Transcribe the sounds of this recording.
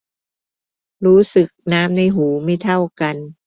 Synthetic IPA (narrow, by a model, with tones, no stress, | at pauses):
ɾuː˦˥sɯ˨˩k̚naː˦˥mna˧˩jɦuː˩˦ma˥˩jt̪ʰa˥˩wka˧n